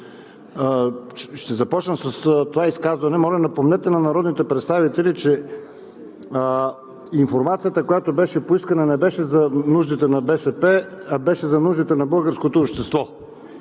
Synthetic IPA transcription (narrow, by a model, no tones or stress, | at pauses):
ʃt̪ɛzɐpɔt͡ʃnəmsɐst̪ovaiskazvɐnɛmɔlɛmd̪ɐpomnɛt̪ɛnɐnɐɾɔd̪nit̪ɛpɾɛt̪st̪avit̪ɛlit͡ʃɛ | iɱfoɾmat̪sijət̪əkojat̪obɛʃɛpoiskɐnɐnɛbɛʃɛzɐnuʒd̪it̪ɛnɐbɛsɛpɛɐbɛʃɛzɐnuʒd̪it̪ɛnɐbɤlˠɡəɾskot̪oːpʃt̪ɛst̪vɔ